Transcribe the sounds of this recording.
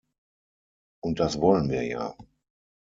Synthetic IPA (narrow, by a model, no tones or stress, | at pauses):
ʔʊnt̚d̥asvɔlənviːɐja̰ː